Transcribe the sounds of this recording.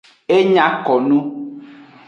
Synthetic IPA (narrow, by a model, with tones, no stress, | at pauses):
e˦ɲã˦kɔ˨nũ˦